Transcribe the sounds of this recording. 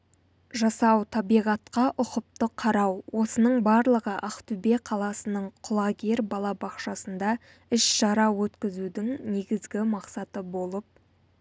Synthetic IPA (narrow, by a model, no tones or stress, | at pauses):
ʒɑsɑwt̪ʰɑbijʁɑt̪qɑʔʊqəp̚t̪əqʰɑɾɑwwo̞sənəɴbɑɾlˠəʁəʔɑqt̪ube̞qʰɑlˠɑsənəɴqʰʊlˠɑɡʲeɾbɑlˠɑbɑqʃɑsənd̪ɑ | ɪʃʃɑɾɑwɵt̪kʲɪzud̪ɪŋne̞ɡʲɪzɡʲɪmɑqsɑt̪əbo̞lˠəp̚